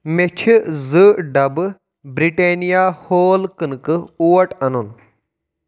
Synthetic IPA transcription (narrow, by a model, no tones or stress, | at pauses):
met͡ʃʰizɨɖɐbɨ | bɾiʈenijaːhoːlkɨnkɨuʋɐʈɐnun